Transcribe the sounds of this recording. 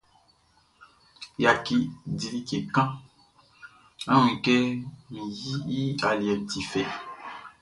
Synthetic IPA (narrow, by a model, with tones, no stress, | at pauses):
ja˨ki˨di˨li˦ke˨kã˦ | a˦w̃ĩ˨kɛ˦mĩ˨ji˦i˦a˨li˨ɛ˨ti˨fɛ˨